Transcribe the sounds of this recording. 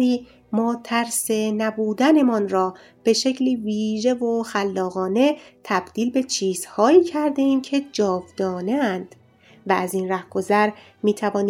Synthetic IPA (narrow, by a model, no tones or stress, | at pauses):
iː | mɒːt̪ʰæɾse̞næbuːd̪æne̞mɒnɾɒː | b̥e̞ʃe̞cʰliːviːʒe̞vo̞xælːɒːɣɒːne̞t̪ʰæb̥d̪̥iːlbe̞t͡ʃʰiːz̥hɒːiːcʰæɾd̪e̞iːmcʰe̞d͡ʒɒːvd̪̥ɒːneænd̪̥ | vææziːnræhɡ̥o̞zæɾ | miːt̪ʰævɒːni